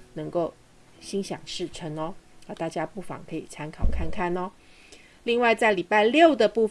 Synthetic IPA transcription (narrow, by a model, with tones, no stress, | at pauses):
nɤ˧˥ŋko˥˩ʊ | ɕi˥ŋɕjɑ̰˨˩ŋʂɻ̩˥˩ʈ͡ʂʰə˧˥nɔ˦a˧˩t̪a˥˩t͡ɕja˥pu˥˩fɑ̰˨˩ŋkʰə˧˥ḭ˨˩t͡sʰa˥nkʰɑ˨˩ʊkʰa˥˧nkʰa˥˩nɔ˦ | li˥˧ŋwa˥˧ɪt͡sa˥˩ɪli˨˩pa˥˧ɪljo˥˨˩ʊd̪ə˨˩pu˥˩